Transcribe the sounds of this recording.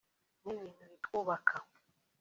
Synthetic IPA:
niβiːnuβikʼuβakʰa

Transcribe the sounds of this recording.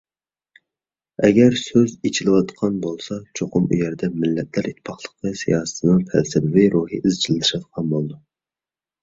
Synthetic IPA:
ɛɡʲɛɾsøzit͡ʃʰilˠɨwɑt̪qʰɑnbolˠsɑt͡ʃʰoqʊmṵjɛɾd̪ɛmɪlːɛt̪ʰlæɾʔit̪ʰːpʰɑχlˠəqɨsijɑːsɨ̥t̪ʰɨnɨŋpʰæ̰lsɪbɪviɾuːhḭʔizt͡ʃʰilt̪ʰɨʃɑt̪̚qʰɑnbolˠɨd̪u

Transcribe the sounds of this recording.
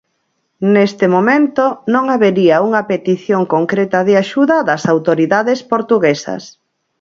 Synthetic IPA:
nest̪ɪmomẽnt̪onõŋaβeɾiauŋɐpet̪iθjoŋkoŋkɾet̪ɐðɪaʃuðɐðɐsawt̪oɾiðaðespoɾt̪uɣesɐ̰s

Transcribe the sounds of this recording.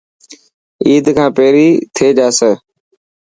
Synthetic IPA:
iːd̪kʰãːpeːɾiːt̪ʰeːd͡ʒaːsəː

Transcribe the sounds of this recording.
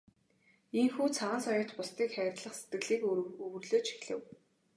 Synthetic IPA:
iŋxuːt͡sʰaʁə̆ːnsɔjʊːt̪pʊst̪iːkχæɾ̆ʲt̪ɮə̆χse̥t̪ɡɘ̆ɮiːkɵwɵ̆rɮoːt͡ɕʰi̥xɮɘ̆w

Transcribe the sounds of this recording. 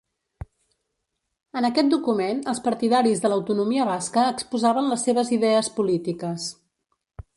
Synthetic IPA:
ənəkɛt̪̚d̪ukumenəlˠspəɾt̪iðaɾizðələwt̪unumiəβ̞askəːkspuzaβənləsːeβ̞əziðɛəspulit̪ikəs

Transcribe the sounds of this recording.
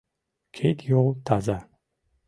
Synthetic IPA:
kʰejt̪ʰjot̪ʰaza

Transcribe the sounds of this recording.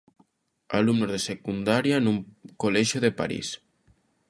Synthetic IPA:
a̰lumnozðesekund̪aɾjanuŋkolɛʒoðepa̰ɾḭs

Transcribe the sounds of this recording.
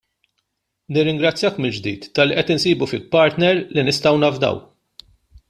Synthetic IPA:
nɪrːɪŋɡɾɐt͡sːjɐːkmɪld͡ʒd̪ḭːt̪ːɐlːiʔɛt̪ɪnsiːbufɪlpːɐɾt̪nɛɾlinɪst̪ɐwnɐvd̪ɐ̰w

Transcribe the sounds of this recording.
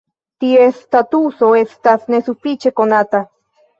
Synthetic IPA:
t̪iest̪at̪usoest̪asnesupit͡ʃekonat̪a

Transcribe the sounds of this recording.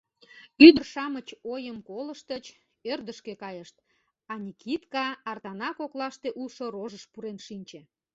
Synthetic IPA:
yd̪ərʃɑmət͡ɕojəmkoləʃt̪ət͡ɕ | ørd̪əʃkekɑjəʃt̪̚ | ɑnʲikʰit̪kɑːrt̪ɑnɑkoklɑʃt̪eʔulʃoroʒəʃpuɾenʃinʲt͡ɕe

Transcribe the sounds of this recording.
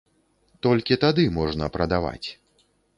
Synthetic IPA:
t̪ɔlʲkʲit̪ad̪ɨmɔʐnɐpɾɐd̪ava̰t͡sʲ

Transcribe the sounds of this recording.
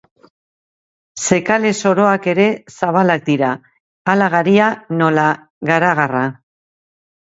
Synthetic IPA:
se̞kale̞so̞ɾo̞ake̞ɾe̞saβ̞alak̚d̪iɾa | alaɣ̞aɾiano̞la | ɣaɾaɣara

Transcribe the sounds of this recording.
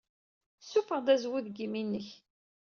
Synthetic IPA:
sufəʁd̪æzwuðɡiminːəç

